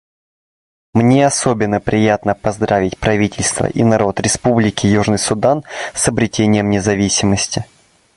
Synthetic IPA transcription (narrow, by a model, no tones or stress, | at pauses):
mnʲeɐsobʲɪnːəpɾʲɪjat̪nəpɐzd̪ɾavʲɪtʲpɾɐvʲitʲɪlʲst̪və̰ʔḭnɐɾo̞t̪ɾʲɪspublʲɪkʲɪjuʐnəjsʊd̪ansɐbɾʲɪtʲenʲɪjəmnʲɪzɐvʲisʲɪməsʲtʲɪ